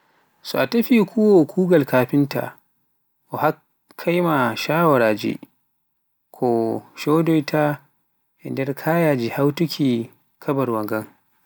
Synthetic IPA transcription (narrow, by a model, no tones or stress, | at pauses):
sɔ̰ʔatɐɸikʰʷuwokʰuːɡɐlkaːɸɪnta̰ | ʔɔha | kʰːajmaʃaːwaɾaːd͡ʒḭ | kʰɔʃɔdɔjtʰa | ʔɛ̰ndɛɾkʰaːjaːd͡ʒihawtukʲʰiː | kʰɐbɐɾwɐŋɡɐŋ